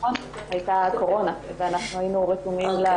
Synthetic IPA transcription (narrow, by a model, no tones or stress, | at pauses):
on | hajtako̞ʁo̞naveanaχnuainuʁetumimla